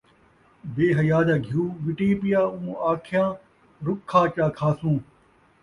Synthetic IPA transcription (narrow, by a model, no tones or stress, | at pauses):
beːɦɐjaːd̪aːɡʱjũːʋɪʈiːpɪjaːũːaːkʰɪjãː | ɾʊkʰːaːt͡ʃaːkʰaːsũː